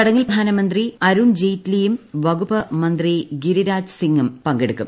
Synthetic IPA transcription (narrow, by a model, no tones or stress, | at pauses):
ɐɽɐŋːilpd̪ʱaːnɐmɐnd̪riɐɾuːnd͡ʑejtlejumʋɐɡupɐmɐnd̪riɡiɾiɾaːd͡ʑsiŋːumpɐŋɡeɽukːum